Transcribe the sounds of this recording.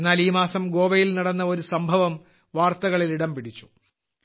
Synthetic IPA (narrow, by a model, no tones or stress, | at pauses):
nːaːliːmaːsɐmɡo̞ːʋɐjilnɐɽɐnːɐo̞ɾusɐmbʱɐʋɐm | ʋaːrt̪ɐɣɐɭiliɽɐmpiɽit͡ɕːu̥